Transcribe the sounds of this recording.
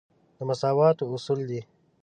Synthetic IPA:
d̪̥əmɐsɑːwɑːt̪oʊsuld̪i

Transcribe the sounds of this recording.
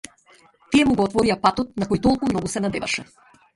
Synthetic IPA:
t̪ijɛmuɡɔːt̪vɔɾijapat̪ɔt̪̚nakojt̪ɔlˠkumnɔɡusɛnad̪ɛva̰ʃɛ

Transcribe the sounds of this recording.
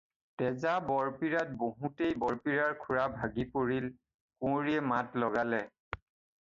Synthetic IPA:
tɛzabɔɹpiɹat̚boɦutejbɔɹpiɹaɹkʰuɹabʱaɡipoɹil | kʊ̃ɹiɛmatlɔɡalɛ

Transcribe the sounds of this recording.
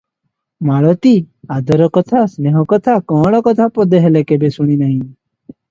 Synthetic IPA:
maɭɔt̪i | ad̪ɔɾɔkɔt̪ʰasneɦɔkɔt̪ʰakɔ̃ɽɔkɔt̪ʰapɔd̪ʱeɦelekebesuɽ̃inaɦĩ

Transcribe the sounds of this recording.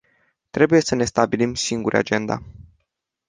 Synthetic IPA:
t̪ɾe̞buje̞səne̞st̪abilimsiŋɡuɾʔa̰d͡ʒe̞nd̪a̰

